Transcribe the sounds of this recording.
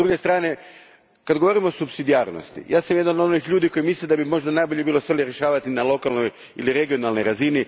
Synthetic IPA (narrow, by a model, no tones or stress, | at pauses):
d̪ɾuɡe̞st̪ɾaːne̞ | kad̪ɡoo̞ɾimosupsid̪ijaːɾno̰st̪ḭjʔaːsamjed̪anod̪onixʎuːd̪iko̞jimisled̪abimo̞ʒd̪anajbo̞ʎebiːlo̞sʋeliɾjeʃaːʋat̪inalˠo̞kalˠno̞j | ḭliɾe̞ɡio̞nalˠno̞jɾazini